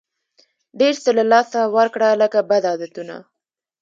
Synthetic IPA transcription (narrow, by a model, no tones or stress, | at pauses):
ɖeɾsəlalɑsawaɾkɽaləkabad̪ɑd̪at̪una̰